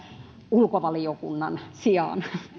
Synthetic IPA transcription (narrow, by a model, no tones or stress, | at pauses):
ulkoʋɑliokunːɑnsiɑ̰ˑn